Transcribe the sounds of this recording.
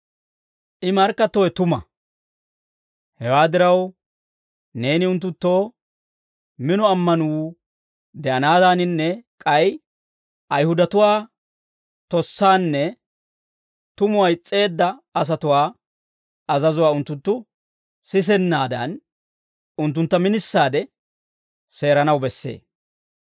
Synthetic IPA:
ʔɪmɐɾkːɐt̪ːɔjɛt̪ʊmɐ̰ | hɛwaːd̪ɪɾɐw | ne̞ːnɪʊnt̪̬ːʊt̪ːo̞ː | mɪnɔɐmːɐnuː | d̪ɛʔɐnaːd̪anɪnːɛkʼɐj | ʔɐjhʊd̪ɐt̪ʊwaː | t̪ɔsːaːnːɛ | t̪ʊmʊwɐjɪt͡sʼːe̞ːd̪ːɐɐs̬ɐt̪ʊwaː | ɐzɐzʊwaːʊnt̪ːʊnt̪ːʊ | sɪs̬ɛnːaːd̪ɐ̰n | ʊnt̪ːʊnt̪ːɐmɪnɪsːaːd̪ɛ | se̞ːɾɐnɐwbɛsːḛː

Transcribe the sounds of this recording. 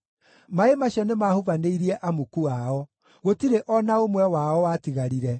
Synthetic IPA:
maemaɕjɔnemaːhuvaneiɾiɛʔamukuaɔ | ɣotiɾeʔɔnaomwɛwaɔwatiɣaɾiɾɛ

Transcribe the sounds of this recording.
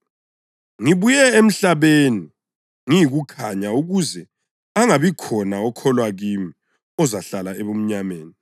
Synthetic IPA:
ŋiβujɛem̩ɬaβeni | ŋijiɣukʰaɲauɣuzɛ | aŋaβikʰɔnaɔkʰɔlwaɣimi | ɔzaɬalaeβum̩ɲameːni

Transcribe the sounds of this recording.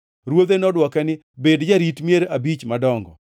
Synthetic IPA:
ɾwod̪enɔdwɔkɛnɪ | bedd͡ʒaɾitmjeɾabit͡ʃmadɔŋɡɔ̰

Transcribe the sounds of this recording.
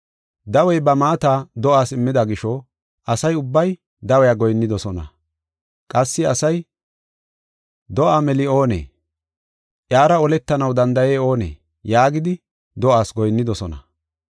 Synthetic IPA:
d̪ɐwɛjbɐmaːt̪aːd̪ɔʔaːsɪmːɪd̪ɐɡɪʃɔ | ʔɐsɐjʊbːɐj | d̪ɐwɛjɐɡɔjnːɪd̪ɔsɔnɐ̰ | kʼɐsːɪɐsɐj | d̪ɔʔaːmɛlɪo̞ːnḛː | ʔjaːɾɐɔlɛt̪ːɐnɐwd̪ɐnd̪ɐjeːo̞ːnḛː | jaːɡɪd̪ɪ | d̪ɔʔaːsɡɔjnːɪd̪ɔsɔnɐ̰

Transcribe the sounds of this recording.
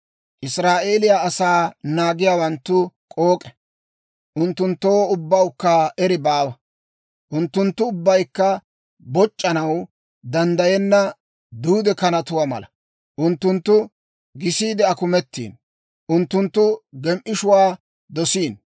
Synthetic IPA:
ʔɪsɾaːʔe̞ːlɪjaːsaːnaːɡɪjaːwɐnt̪ːʊkʼoːkʼɛ̥ | ʔʊnt̪ːʊnt̪ːoːʊbːɐwkːɐʔɛɾɪbaːwɐ | ʔʊnt̪ːʊnt̪ːʊːbːɐjkːɐ | bɔt͡ʃʼːɐnɐw | d̪ɐnd̪ɐjɛnːɐ | d̪uːd̪ɛkɐnɐt̪ʊwamɐ̰lɐ̰ | ʔʊnt̪ːʊnt̪ːʊ | ɡɪsiːd̪ɛɐkʊmɛt̪ːḭːn | ʔʊnt̪ːʊnt̪ːʊɡɛmʔɪʃʊwaː | d̪ɔsiːn

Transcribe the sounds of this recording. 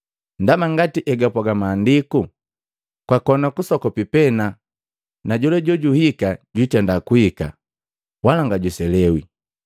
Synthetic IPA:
ndamaŋɡatiʔɛɡapɔɡamaːndiku | kwakɔnakusɔkɔpipɛna | naɟulɛɟɔɟuhikaɟitɛndakuhika̰ | walaŋɡaɟusɛlɛwi

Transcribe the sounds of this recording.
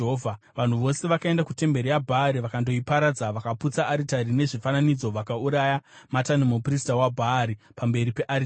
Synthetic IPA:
ovʱa | ʋan̤uʋo̞se̞ʋakae̞ndakute̞mbe̞ɾijabʱaɾiʋakando̞ipaɾad͡zaʋakaput͡saʔːɾitaɾine̞ʐifananid͡zo̞ʋakauɾajamatanumupristawabʱaːɾi | pambe̞ɾipe̞ʔaɾi

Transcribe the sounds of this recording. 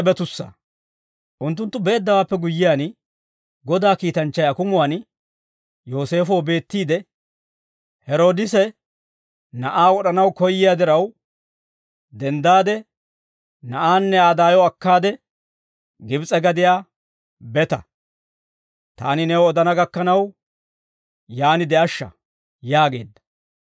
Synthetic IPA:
bɛt̪ʊsːɐ̰ | ʔʊnt̪ːʊnt̪ːʊbeːd̪ːɐwaːpːɛɡʊjːɪjaːn | ɡɔd̪aːkiːt̪ɐnt͡ʃːɐjɐkʊmʊwaːn | jo̞ːse̞ːfɔwbe̞ːt̪ːiːd̪ɛ | hɛɾo̞ːd̪ɪsɛ | nɐʔaːwɔɗɐnɐwkɔjːɪjaːd̪ɪɾɐw | d̪ɛnd̪aːd̪ɛ | nɐʔaːnːɛaːd̪aːjɔɐkːaːd̪ɛ | ɡɪbt͡sʼɛɡɐd̪ɪjaː | bɛt̪ɐ | t̪a̰ːnɪnɛwɔɔd̪ɐnɐɡɐkːɐnɐw | jaːnɪd̪ɛʔɐʃːɐ̰ | jaːɡe̞̰ːd̪ːɐ

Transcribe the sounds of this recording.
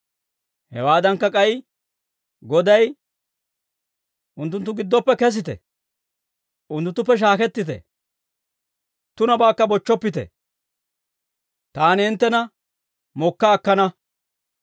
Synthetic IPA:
hɛ̰waːd̪ɐŋkːɐkʼɐj | ɡɔd̪ɐj | ʔʊnt̪ːʊnt̪ːʊɡɪd̪ːɔpːɛkɛs̬ɪt̪ɛ̰ | ʔʊnt̪ːʊt̪ːʊpːɛʃ̬aːkɛt̪ːɪt̪ɛ̰ | t̪ʊnɐbaːkːɐbɔt͡ʃːɔpːɪt̪ɛ̰ | t̪aːnɪɪnt̪ːɛnɐ | mɔkːaːkːɐnɐ

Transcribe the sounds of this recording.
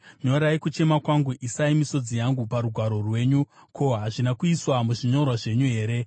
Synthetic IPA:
ɲo̞ɾajekut͡ʃe̞makwaŋɡuʔisaimiso̞d͡zijaŋɡupaɾuɡʱwaɾo̞rwe̞ːɲukʰoɦaʐinakuiswamuʐiɲo̞rwaʐe̞ɲuɦe̞ːɾe̞

